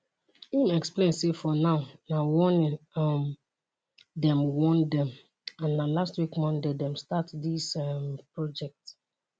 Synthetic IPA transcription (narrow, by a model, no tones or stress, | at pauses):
imɛksplẽnsefɔnaʊnawɔ̃nĩnm | dɛ̃mwɔ̃ndɛ̃m | ãnːalastwikmɔ̃ndedɛ̃mstatdismpɹɔd͡ʒɛk̚t